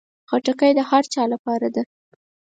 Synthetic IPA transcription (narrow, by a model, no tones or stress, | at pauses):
xaʈakajd̪əhaɾt͡ʃɑlapɑɾad̪a